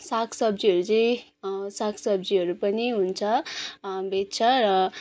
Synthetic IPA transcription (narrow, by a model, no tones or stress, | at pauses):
sakʰsʌbd͡ziɦʌɾut͡sʌ̃ĩ | sakʰsʌbd͡ziʌɾupʌniɦunt͡sʰʌ | bett͡sʰʌɾʌ